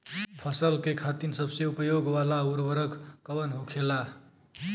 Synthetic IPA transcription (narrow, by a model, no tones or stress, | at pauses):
pʰʌsʌlkekʰat̪insʌbseupʌjoɡwalauɾwʌɾʌkkʌwʌnɦokʰela